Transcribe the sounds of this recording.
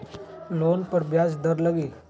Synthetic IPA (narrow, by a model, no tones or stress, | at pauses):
loːnpəɾbjaːzd̪əɾləɡiː